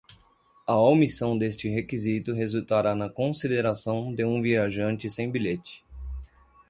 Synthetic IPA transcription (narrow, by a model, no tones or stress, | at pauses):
ɐomisɐ̃w̃d̪est͡ʃɪɦekizit̪ʊɦezut̪aɾanɐkõsid̪eɾasɐ̃w̃d̪ɪũviaʒɐ̃nt͡ʃɪsẽj̃biʎet͡ʃɪ̥